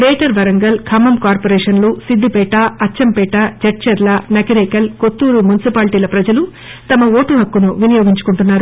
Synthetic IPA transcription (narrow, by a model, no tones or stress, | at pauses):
ɾɛːʈɐɾʋɐɾɐŋɡɐlkʰɐmɐmkaːɾpoɾɛːʂɐnlusid̪ːipɛːʈɐɐt͡ʃːɐmpɛːʈɐd͡ʒɐʈ̚t͡ʃɐɾlɐnɐkɐɾɛːkɐlkot̪ːuːɾumunisipaːlʈiːlɐpɾɐd͡ʒɐlu | t̪ɐmɐoːʈuɦɐkːunuʋinijoːɡiɲt͡ʃu̥kuɳʈunːaːɾu